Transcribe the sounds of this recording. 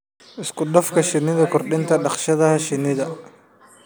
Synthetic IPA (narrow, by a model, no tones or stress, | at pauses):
ʔɪskʰʊɖɔfkʰɐʃɪnɪðɐkʰʊrɖɪnt̪ʰɐɖɑχʃɐðɐɦɐʃɪnːɪðɐ